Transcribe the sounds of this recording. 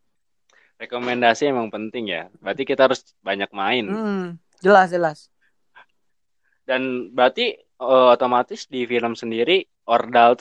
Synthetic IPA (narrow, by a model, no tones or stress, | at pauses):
rekomendasiemaŋpənt̪ɪŋja̰bɾat̪ikit̪aaɾʊs | baɲak̚maɪn | d͡ʒəlasd͡ʒəlas | danbat̪i | əot̪omat̪ɪsdifiləmsəndiɾi | ʔordalt̪